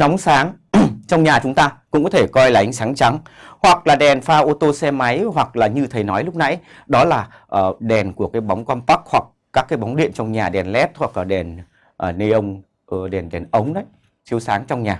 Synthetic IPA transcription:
nɔ˨˦wŋ͡msaː˨˦ŋt͡ɕɔ˧wŋ͡mɲaː˨˩t͡ɕʊ˨˦ŋ͡mt̪aː˧kʊ̰˧˥ŋ͡mkɔ˨˦e˧˩kɔ˧jlaː˨˩ʔa˨˦ŋ̟saː˨˦ŋt͡ɕa˨˦ŋhwa˨˩k̚laː˨˩ɗɛ˨˩nfaː˧ʔo˧t̪o˧sɛ˧ma˨˦jhwa˨˩k̚laː˨˩ɲɨ˧t̪ʰə˨˩jnɔ˨˦jlʊ˦˥k͡p̚na˨˦j | ɗɔ˨˦laː˨˩ | ʔəː˨˩ɗɛ˨˩nku˧˩əkaː˨˦jɓa˨˦wŋ͡mkwɔ˧npa˦˥k̚hwa˨˩kːaː˦˥kːaː˨˦jɓɔ˨˦wŋ͡mɗḭ˧˨ənt͡ɕɔ˧wŋ͡mɲaː˨˩ɗɛ˨˩nlɛ˦˥t̚hwa˨˩k̚laː˨˩ɗɛ˨˩n | ʔːnːe˧ʔə˧wŋ͡m | ʔə˧ɗɛ˨˩nɗɛ˨˩nʔə˨˦wŋ͡mɗə˨˦j | t͡ɕi˨˦əwsaː˨˦ŋt͡ɕɔ˧wŋ͡mɲaː˨˩

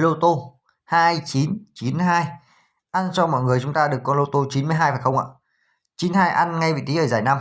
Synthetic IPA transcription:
lo˧t̪o˧ | haː˧jt͡ɕi˨˦nt͡ɕi˨˦nhaː˧j | ʔa˧nt͡ɕɔ˧mɔ̰˧˨jŋɨ˨˩əjt͡ɕʊ˨˦ŋ͡mt̪aː˧ɗɨ˨˩əkːɔ˨˦lo˧t̪o˧t͡ɕi˨˦nmɨ˧əjɦaː˧jfaː˨˩jxə˧wŋ͡mʔa̰ː˧˨ | t͡ɕi˨˦nhaː˧jʔa˧nŋa˧jvḭ˧˨t̪ʰi˨˦ʔəː˧˩zaː˧˩jna˧m

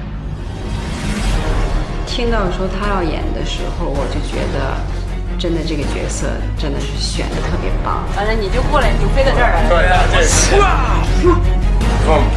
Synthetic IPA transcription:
t̪ʰi˥ŋt̪ɑ˥˩ʊʂwɔ˥t̪ʰa˥jɑ˥˩ʊjɛ̰˨˩nd̪ə˦ʂɻ̩˧˥xo˥˧˩ʊwɔ˨˩t͡ɕjo˥˩ʊt͡ɕɥɛ̰˧˥d̪ə̰˧ | ʈ͡ʂə˥nd̪ə˧ʈ͡ʂɤ˥˩ɡə˩t͡ɕɥɛ̰˧˥sɤ̰˥˧˩ | ʈ͡ʂə˥nd̪ə˨ʂɻ̩˥˩ɕɥɛ̰˨˩nd̪ə˦t̪ʰɤ˥˩pjɛ̰˧˥pɑ̰˥˩ŋt̪a˥˩na˥ni˨˩t͡ɕjo˥˧ʊkwɔ˥˩la˧˩ɪljo˧˥ʊfe˥ɪd̪ə˨˧t̪ə˥˩we˥˩ɪa˩˧˥

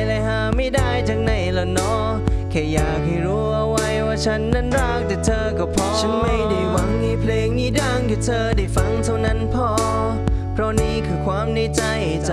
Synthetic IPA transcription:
la˧˩jhaː˧˩ma˧˩jdaː˧˩jt͡ɕaː˨˩ŋ̚na˧˩jla˧˩nɔː˧˥ | kʰɛː˧˩jaː˨˩k̚ha˧˩jɾuː˨˦˥ʔa˧˩wa˧jwaː˧˩t͡ɕʰa˦˥nːa˧˥˨nɾaː˧˩k̚t̪ɛː˨˩t̪ʰɤː˧ka˧˩pʰɔ˧t͡ɕʰa˦˥nma˧˩jda˧˩jwa˨˧˥ŋniː˧˩pʰleː˧ŋniː˧˩daː˧˩ŋt̪ʰiː˧˩t̪ʰɤː˧da˧˩jfa˧˥ŋt̪ʰa˧˩wna˧˥˨npʰɔː˧ | pʰɾɔ˧˥niː˧˩kʰɯː˧˩kʰwaː˧˥˨mne˧˩t͡ɕa˧j | t͡ɕ

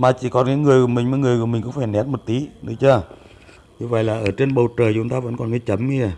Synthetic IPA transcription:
maː˨˩t͡ɕi˧˩kɔ˨˩nka˨˦ŋɨ˨˩əjkːmï˨˩ŋ̟mɔ˨˦ŋɨ˨˩əjku˨˩mï˨˩ŋ̟kʊ̰˧˦ŋ͡mfaː˧˩jnɛ˨˥t̚mo˨˩t̚t̪i˨˦ɗɨ˨˦t͡ɕəː˧ | ɲu˧və̰˧˨jlaː˨˩ʔəː˧˩t͡ɕe˧nɓə˨˩wt͡ɕəː˨˩jt͡ɕʊ˨˦ŋ͡mt̪aː˧və̰˧˥nkɔ˨˩nki˨˦t͡ɕə˨˦mi˧a˨˩

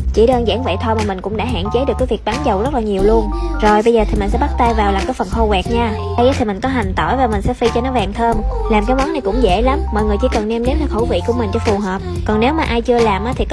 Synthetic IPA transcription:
t͡ɕi˧˩ɗəː˧ŋza̰ː˧˥˩ŋvḛ˧˨t̪ʰɔ˧jmaː˨˩mï˨˩ŋ̟kʊ̰˧˥ŋ͡mɗa̰ː˧˥ɦa̰ː˧˨nt͡ɕe˨˦ɗɨ˨˩əkːaː˨˦jvi˨˩ək̚ɓaː˨˦ŋzə˨˩wzə˦˥t̚laː˨˩ɲi˨˩əwlu˧ənzo˨˩jɓə˧jzəː˨˩t̪i˨˩mi̟˨˩sɛ̰˧˥ɓa˦˥t̚t̪aː˧jvaː˨˩wlaː˨˩mkaː˨˦jfə˨˩nxo˧ɣwɛ˨˩k̚ɲaː˧ | ə˧jʔaː˨˦t̪ʰi˨˩mï˨˩ŋ̟kɔ˨˦ɦa˨˩ŋ̟t̪ɔ̰˧˩jvaː˨˩mï˨˩ŋ̟sɛ̰˧˥fi˧t͡ɕɔ˧nɔ˨˦vaː˨˩ŋt̪ʰəː˧mlaː˨˩mkːmwa˨˦na˨˩jkʊ̰˧˥ŋ͡mzḛ˧˥la˨˦mːɔ˨jŋɨ˨˩əjt͡ɕi˧˥˦kə˨˩nnɛ˧mɗe˨˦nt̪a˧˩xo̰˧˩vḭ˧˨ku˧˩əmï˨˩ŋ̟t͡ɕɔ˧fu˨˩ɦəː˨˩p̚kɔ˨˩ne˨˦wmaː˨˩ʔaː˧jt͡ɕɨ˧əlaː˨˩mʔaː˨˦t̪ʰi˨˩k

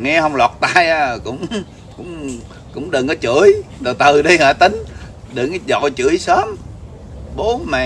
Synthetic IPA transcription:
ŋɛ˧ɦə˧wŋ͡mlɔ˨˩t̚t̪aː˧ja˧kʊ̰˧˥wŋ͡m | kʊ̰˧˥wŋ͡m | kʊ̰˧˥ŋ͡mɗɨ˨˩ŋʔə˨˦t͡ɕɨ̰˧˩˨əjzo˨˩t̪ɨ˨˩ɗi˧haː˧˩t̪ï˨˦ŋ̟ɗə˨˩ŋzɔ̰˧˨t͡ɕɨ̰˧˦əjsəː˨˦˥m | ɓo˨˦mɛ˨˩˨

